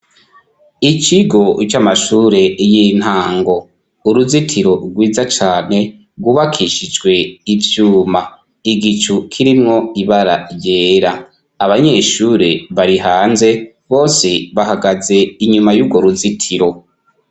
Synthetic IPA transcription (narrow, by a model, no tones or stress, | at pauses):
it͡ʃiɡo̞t͡ʃamaʃuːɾe̞jiːn̥haːŋɡo̞ | uɾuzitʰiɾo̞ɡwiːzat͡ʃaːne̞ | ɡwuːβakʰiʃid͡ʒɡwe̞ivjuːma | iɡit͡ʃukʰiɾimŋo̞iβaɾajeːɾaː | βaɲe̞ʃuːɾe̞βaɾiɦaːnze̞ | βo̞ːse̞βaɦaɡaze̞iɲumajuɾɡwo̞ɾuzitʰiɾo̞